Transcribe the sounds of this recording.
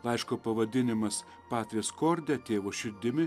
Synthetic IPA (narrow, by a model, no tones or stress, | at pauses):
lˠɐɪʃkoːpɐʋɐd̪ʲɪnʲɪmɐs | pɑːt̪ʲʋʲeːskoːɾʲd̪ʲɛt̪ʲeːʋoːʃʲɪɾʲd̪ʲɪmʲɪ